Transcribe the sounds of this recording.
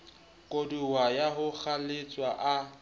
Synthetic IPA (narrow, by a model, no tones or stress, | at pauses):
kʼoduwajaɦʊk͡xʰalet͡sʼwaʔa